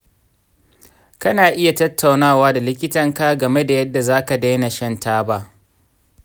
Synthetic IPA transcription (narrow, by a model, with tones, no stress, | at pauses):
kɐ˦naː˨ʔɪ˦ja˨tɐ˦tʰːa˨wnaː˦˨waː˦da˨lɪ˦kʲɪ˦tɐ˦˨ŋkaː˦ɡɐ˨me˦da˨jɐ˦dːa˨zaː˦ka˨da˦jna˨ʃɛ˦ntaː˦ba˦ʔ